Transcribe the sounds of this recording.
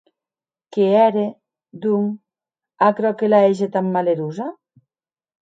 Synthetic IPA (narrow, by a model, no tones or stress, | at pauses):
keɛɾe | d̪uŋ | akɾɔkelaeʒet̪amːaleɾuza